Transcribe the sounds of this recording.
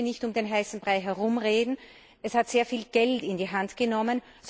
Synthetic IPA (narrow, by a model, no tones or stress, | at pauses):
nɪçtʊmdenɦaɪsn̩b̥ʁaɪɦɛɐʁʊmʁeːdn̩ | ʔɛshatz̥eːɐfiːlɡ̥ɛltɪndiːɦantɡ̥ənɔmən | z